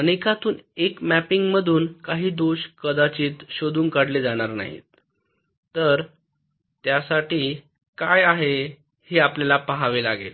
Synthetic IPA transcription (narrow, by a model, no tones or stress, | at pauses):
əɽ̃ekat̪uːnekmæpiŋɡməd̪ʱuːnkaɦiːd̪oɕkəd̪at͡ɕiːt̪ɕod̪uːŋkaɽled͡zaɽ̃aɾna̰ɦḭt̪ | t̪ːəɾ | t̪jasaʈiː | kajaɦe | heapljalapaɦaʋelaɡḛt̪